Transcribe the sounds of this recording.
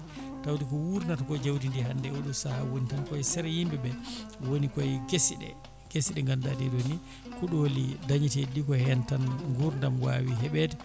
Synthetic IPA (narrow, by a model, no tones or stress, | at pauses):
tawdikɔwuɾnatkɔd͡ʒawdindiɦandɛoɗumsahawonitankɔjsɛɾɛhimbɛbɛwonikɔjɡesiɗɛ̰ | ɡ̥esiɗɛŋɡandadɛdoni | kuɗolidaɲitɛdikɔhɛntanŋɡuɾndamwa̰wiɦɛɓɛdɛ